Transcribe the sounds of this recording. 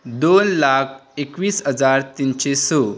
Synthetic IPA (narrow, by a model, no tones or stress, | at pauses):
d̪onlak̚ʰekʋiːsɦəd͡zaɾt̪inɕeso